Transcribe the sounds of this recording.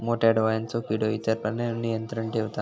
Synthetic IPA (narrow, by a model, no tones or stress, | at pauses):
moːʈeːɖʋaːjɐnt͡ʃokiɖoːit̪ɐɾpɐlnenːijɐnt̪ɾɐɳʈeʋut̪a